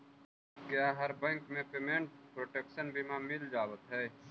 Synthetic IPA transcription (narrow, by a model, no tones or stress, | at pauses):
kjaːɦɐɾbɛ̃ŋkmẽpeːmẽːɳʈ̚pɾoːʈeːkʃənbʱimãmɪld͡ʒaːwət̪ɦɛː